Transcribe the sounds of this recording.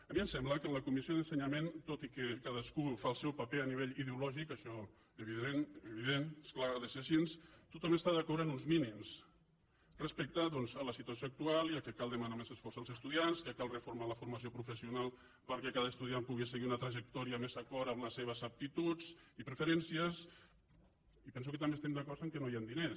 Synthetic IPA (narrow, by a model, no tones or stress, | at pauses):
əmiəmsɛmblakənləkumisioðənsəɲament̪ot̪ikəkaðəskufaəlˠsɛwpapeəniβeʎiðeulɔʒikəʃɔ | eβiðeneβiðenesklaɣəðəsesinst̪ut̪ɔməst̪aðəkɔɾənunzminims | rəspək̚t̪aðɔnzələsit̪uasjoak̚t̪ualˠiəlˠkɛkalˠd̪əmanamezəsfɔɾzəlˠzəst̪uðianskəkalˠrəfuɾmaləfuɾmasiopɾufəsiunalˠ | pəɾkɛkaðəst̪uðiampuɣiseɣiunət̪ɾaʒek̚t̪ɔɾiəmezakɔɾəmləsːeβ̞əzap̚t̪it̪ut͡sipɾəfəɾɛnsiəs | ipɛns̬ukət̪ambest̪ɛmd̪akɔɾt̪əŋkɛnojand̪ine